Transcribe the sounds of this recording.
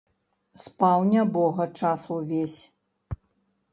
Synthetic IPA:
spawnʲɐbɔɣɐt͡ʂasuvʲesʲ

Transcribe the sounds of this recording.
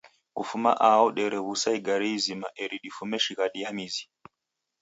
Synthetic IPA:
kufuma̰ʔaɔɗɛɾɛβusaiɡaɾizimaʔɛɾiɗifumɛʃiɣaɗiamizi

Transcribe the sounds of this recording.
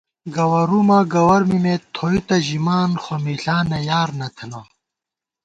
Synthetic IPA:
ɡɐwɐɾumɐɡɐwɐɾmimet̪ʰoːit̪ɐʑimaːnxɐmiɬaːnɐjaːɾnɐt̪ʰɐno

